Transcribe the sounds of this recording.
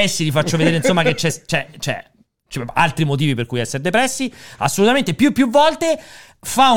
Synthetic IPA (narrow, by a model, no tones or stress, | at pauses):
ɛsːilifat͡ʃːoved̪eɾeinsomːaket͡ʃːɛst͡ʃɛt͡ʃɛ̰ | t͡ʃia̰lt̪ɾimot̪̬iːviperkujɛsːeɾd̪epɾɛsːia̰sːolut̪ament̪epjuepːjuvːɔlt̪e | fa